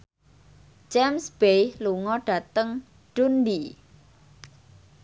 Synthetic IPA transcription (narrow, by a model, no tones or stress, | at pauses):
d͡ʒɛmsb̥ejluŋɔɖ̥ä̤t̪əŋ | ɖ̥undi